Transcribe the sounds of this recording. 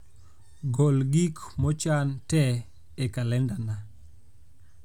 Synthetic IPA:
ɡolɡikmɔt͡ʃantɛ | ekalɛndana

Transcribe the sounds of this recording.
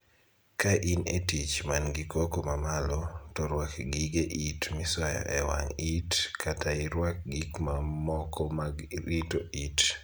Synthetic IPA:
kaʔinetit͡ʃmanɡikokomamalɔtɔɾwakɡiɡeʔitmɪswaja̰ʔɛwa̰ŋitkʰataiɾwak̚ɡikmamɔkʰɔmaɡitoit

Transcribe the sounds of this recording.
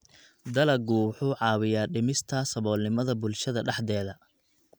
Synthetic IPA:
d̪ɐlɐɡʊħuːʕɑːwɪjaːɖɪmɪst̪ʰɐsɐβɔːlnɪmɐðɐbʊlʃɐðɐɖɑħd̪ɛːðɐ

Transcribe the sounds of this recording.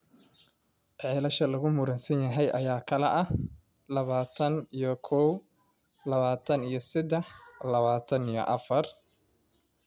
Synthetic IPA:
ʕɛːlɐʃɐlɐɣʊmʊɾɐnsɐnjɐɦɛjʔɐjaːkʰɐlɛʔɐ | lɐβaːt̪ʰɐnijɞkʰɔw | lɐβaːt̪ʰɐnijɞsɪd̪ɛħlɐβaːt̪ʰɐnijɔ̰ʔɐfɐr

